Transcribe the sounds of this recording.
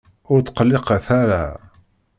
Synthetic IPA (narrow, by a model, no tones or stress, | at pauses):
ʊɾt͡s̪ːqəlːɪqaθaɾa̰